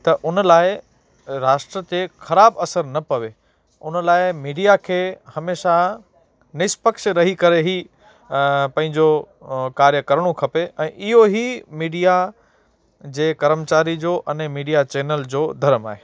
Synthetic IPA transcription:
t̪ɐʔʊnəlaːɪ | ɾaːʃʈɾət̪exɐɾaːbɐsəɾnɐpɐʋe | ʊnəlaːɪmiːɖijakʰeːhɐmeːʃa | nɪspəkʃɾɐɦikɐɾeɦi | pɐ̃ɦɪ̃ɲd͡ʑo | kaːɾjəkɐɾəɽ̃õkʰɐpeɛ̃ːʔɪɦoɦimiːɖija | d͡ʑeːkɐɾəmt͡ɕaːɾid͡ʑoːʔɐnẽmiːɖijat͡ɕeːnəld͡ʑoːd̪ʱɐɾəmaːɦeː

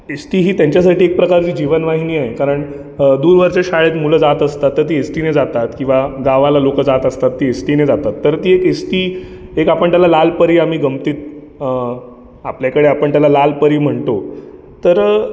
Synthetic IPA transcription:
esʈiːɦiːt̪jaɲt͡ɕjas̬aʈiːek̚pɾəkaɾt͡ɕiːd͡ʑiʋənʋaɦiniːaɦekaɾəɳ | d̪uːɾʋəɾt͡ɕaɕaɭet̪muləd͡zat̪əst̪at̪ːəɾt̪iːesʈiːned͡zat̪at̪kĩw̃ʋaɡaʋalalokəd͡zat̪əst̪at̪ːiːesʈiːned͡zat̪at̪ːəɾt̪iːekesʈiːekapəɳt̪jalalalpəɾiːam̤iːɡəmt̪iːt̪̚ | apljakəɽeapəɳt̪jalalalpəɾiːm̤əɳt̪o | t̪əɾ

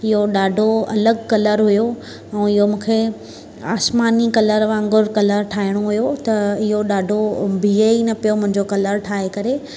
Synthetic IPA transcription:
ɪɦoɗaːɖʱoɐ̰ləɡkɐləɾɦʊjo | ɛ̃ːɪɦomũːkʰe | aːsmaːnikɐləɾʋãːŋɡʊɾkɐləɾʈʰaːɦiɽ̃oɦʊjot̪ɐɪɦoɗaːɖʱobʱiːeinɐpijomʊ̃ɦɪ̃ɲd͡ʑokɐləɾʈʰaːɦekɐɾe

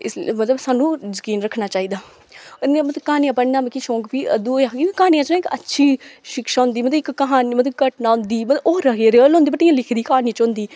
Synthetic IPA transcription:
ɪsmət̪ləbsaːnːũːzəkiːnɾəkʰnaːt͡ʃaːiːd̪aː | nemət̪əkaːnijãːpəɽnaːmẽkiʃõːkpiːə̰d̪uːaːɡikaːnijãːt͡ʃnãːɪkə̰tːʃʰiːʃɪkʃaːɦʊ̃nd̪iːmət̪əɪkːəɦaːniːmət̪ləbkəʈnaːɦʊ̃nd̪iːmt̪əoːɾəɡeːɾeəlõːnd̪iːbəʈijãːlɪkʰd̪iːkaːnit͡ʃõːnd̪iː

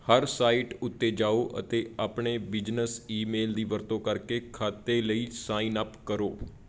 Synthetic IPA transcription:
həɾsaːiʈʊt̪ːed͡ʒaːoːʔə̰t̪eːaːpɳebɪd͡ʒnəsiːmeːld̪iːʋəɾt̪õːkəɾkekʰaːt̪eləiːsaːiːnəpkəɾoː

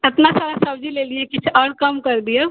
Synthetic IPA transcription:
ɐt̪nasaɾasəbd͡ʒʱilelijẽkit͡ʃʰɔɽkəmkəɾd̪ije

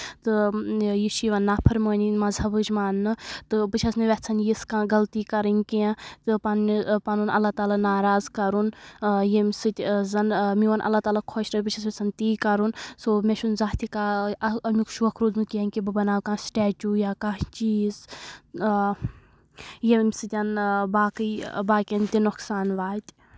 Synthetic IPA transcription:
t̪ɨjiʃiʋɐnːaːpʰɐɾməːnimɐzɐbəd͡ʒmaːnːɨt̪ɨbɨt͡ʃʰɐsniʋʲɛt͡sʰɐnjiskãːɡɐlt̪iːkɐɾənʲkeẽt̪ɨpɐnpɐnunɐ̰lːaːt̪aːlanaːɾaːzkɐɾunjemʲsɨt̪ʲzɐnmiʋɐnʔɐ̰lːaːt̪aːlakʰoʃɾɐbɨt͡ʃʰɐsʋɛt͡sʰɐnʲt̪iːkɐɾunsoːmeʃunzaːt̪ikaɐmikʃʰuɐkʰɾuːzmukiɐnʲkibɨbɐnaːwkãːsʈɛːt͡ʃʲujaːkaɦt͡ʃiːz | jemʲsɨt̪ʲɐnbaːkɨbaːkʲɐnt̪inʊksaːnʋaːt̪ʲ

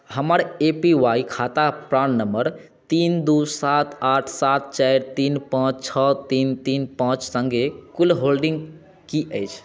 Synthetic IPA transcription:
həməɾepiʋaikʰat̪apɾannəməɾ | t̪ind̪usat̪ʰaʈʰsat̪̚t͡ʃajɾt̪inpãt͡ʃt͡ʃʰət̪int̪inpãt͡ʃsə̃ŋɡekulɦolɖiŋɡ | kiʔəjt͡ʃʰ

